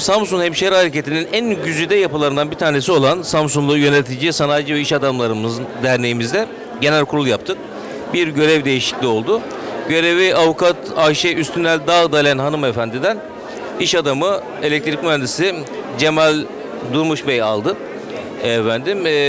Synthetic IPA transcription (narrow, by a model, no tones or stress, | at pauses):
samsunhɛmʃɛɾhaɾece̞t̪ʰininænɟyzyd̪ɛjapɯlˠaɾɯnd̪anbiɾt̪ʰaːne̞s̬io̞lˠansamsunlˠujø̞net̪ʰid͡ʒisanaːd͡ʒɯvɛiʃad̪amlˠaɾɯmɯzd̪æɾne̞jimizd̪ɛ | ɟe̞nælʲkʰuɾulˠjap̚t̪ʰɯk̚ | biɾɟø̞ɾɛvd̪e̞jiʃi̥clʲio̞lˠd̪ʊ | ɟø̞ɾe̞viavukʰat̪aʃɛʔyst̪ʰynælʲd̪aːɯd̪alʲænɦanɯmefænd̪ʲid̪æn | iʃad̪amɯ | elʲɛc̚t̪ʰɾicʲmænd̪isid͡ʒe̞malʲ | d̪uɾmuʃbeja̰lˠd̪ɯ | ɛfænd̪im